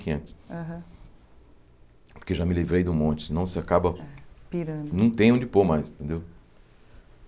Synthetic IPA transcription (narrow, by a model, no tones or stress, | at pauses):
kɐ̃t͡ʃ̪ɪsaɦɐ̃ | pʊɾkeʒamɪlivɾejd̪ʊmõt͡ʃɪ̥sɪnɐ̃w̃sɪakabɐpiɾɐ̃d̪nɐ̃w̃t̪ẽj̃õd͡ʒɪpoɾmajzĩt̪ẽnd̪ew